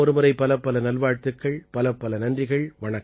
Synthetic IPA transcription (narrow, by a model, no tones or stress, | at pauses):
ɔɾɯmɐɾɐɪpːɐlɐpːɐlɐnɐlʋaːɻt̪ɯkːɐɭpɐlɐpːɐlɐnɐndrɪɣɐɭʋɐɳɐkː